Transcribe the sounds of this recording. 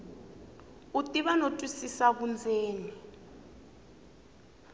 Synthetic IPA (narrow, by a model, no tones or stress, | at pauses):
utʼiβanotʼwisisaβund͡zʱeːni